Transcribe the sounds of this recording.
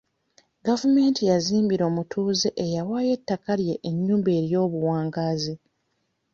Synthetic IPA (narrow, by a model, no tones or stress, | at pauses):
ɡavume̞ːntʰijaziːmbiɾo̞ːmutʰuːzeʔejawaːje̞tːakaljeʔeɲːuːmbe̞ːɾjo̞ːβuwaːŋɡaːzi